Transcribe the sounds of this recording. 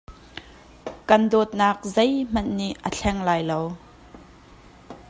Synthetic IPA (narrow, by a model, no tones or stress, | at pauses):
kɐndɔːt̪̚naːk̚zejm̥ɐnːiʔʔəɬʰɛŋlaːjlow